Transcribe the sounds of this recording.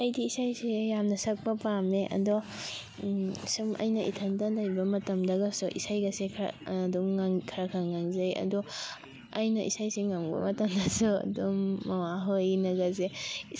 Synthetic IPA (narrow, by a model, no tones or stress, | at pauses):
ajdiːsajsejamnɐsɐk̚pɐpameʔɐ̰dɔ | sumʔɐ̰jnɐʔitʰɐntadajbɐmɐtɐmdɐɡɐsuʔḭsajɡɐsekʰːdɔmaŋkʰɐɾɐkʰaŋaŋzɐjɐ̰dɔ | ajnɐʔḭsajseŋːambɐ̰mɐtɐmdɐsuɐ̰dɔmːɐwaɦojnɐɡɐze